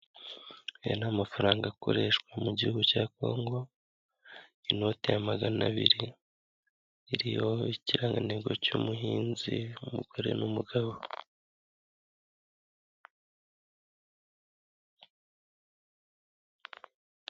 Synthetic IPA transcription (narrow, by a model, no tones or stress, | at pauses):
ejo̰namafaɾaːŋɡako̞̰ɾe̞ʃkwamuɟihuɡucaːko̞ːŋɡo̞ | ino̞te̞jamaɡana̰βḭɾi | ɾijo̞iciɾaŋɡaneɡo̞cumuɦiːnziumuɡ̥oɾe̞̰numuɡaβo